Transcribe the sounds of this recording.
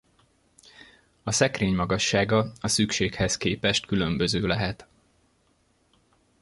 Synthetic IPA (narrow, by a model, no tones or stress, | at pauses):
ɒsɛkreːɲmɒɡɒʃːaːɡɒɒsykʃeːkhɛskeːpɛʃt̪kylømbøzøːlɛɦɛt̪